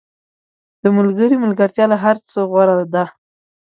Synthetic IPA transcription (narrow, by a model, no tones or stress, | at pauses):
d̪̥əməlɡəɾiməlɡaɾt̪jɑlaɦaɾt͡səɣwaɽaad̪a